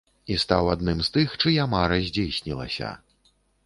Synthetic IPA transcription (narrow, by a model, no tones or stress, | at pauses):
ist̪awad̪nɨmst̪ɨxt͡ʂɨjamaɾɐzʲd͡zʲejsʲnʲilˠɐ̰sʲɐ̰